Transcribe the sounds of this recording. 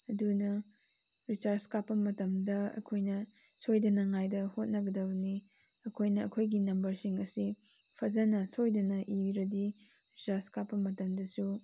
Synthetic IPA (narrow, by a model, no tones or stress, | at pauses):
ɐdunɐ | ɾit͡ʃaɾskapːɐmɐtɐmdɐɐ̰kʰojnɐ | sojdɐnɐŋajdɐhot̚nɐɡɐdɐbni | ɐkʰojnɐɐkʰojɡinɐmbɐɾsiŋɐsi | pʰɐzɐnɐsojdɐnɐʔiɾɐdi | ɾit͡ʃaɾskapːɐmɐtɐmdɐsu